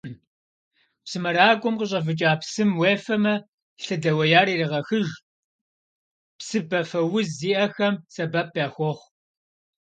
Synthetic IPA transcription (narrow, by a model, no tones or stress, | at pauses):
psɨmɐɾaːkʷʼʊmqəɕ̬ʼɐfɨt͡ʃʼaːpsɨmweːfɐmɐ | ɬɨdɐwɐjaːɾiːriʁɐxɨʒ | psɨbɐfɐwʊzːiːʔɐxɐmsɐbɐp̚ʰjaːxʷɔχʷ